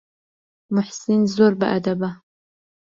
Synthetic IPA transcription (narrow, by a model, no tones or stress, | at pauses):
mʊħsinzoɾba̰ʔad̪aba